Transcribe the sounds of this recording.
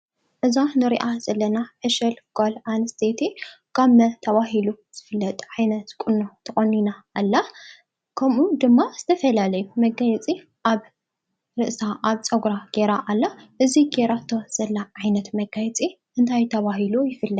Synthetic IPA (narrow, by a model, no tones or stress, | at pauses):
ʔɨzanɨɾḭʔaz̥ɐlːɐnaħeʃɐlɡ̥olanɨst̪ʰet̪ʰikʰamɐt̪ʰɐβaɦilu | z̥ɨfɨlːɐt̪ʼʕajnɐt̪kʼɨnːot̪ʰɨχʼɐnːinaːlːa | kʰɐmud̪ɨmːaz̥ɨ̥t̪ʰɐfɐlalɐjumɐɡɐjɛt͡sʼi | ʔaβ | ɾɨʔsaʔaβt͡sʼɐɡɾaɡ̥eɾaʔalːaʔɨziɡeɾat̪ʰːoz̥ɐlːaʕajnɐt̪mɐɡajt͡sʼi | ʔɨnt̪ʰajt̪ʰɐβaɦilujɪfɨlːɐt̪